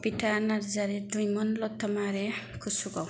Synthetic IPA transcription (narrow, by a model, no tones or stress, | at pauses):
piʈʰanaɾd͡zaɾeɖujmʌnlɔt̪ʰːɔmaɾekʰusukɔw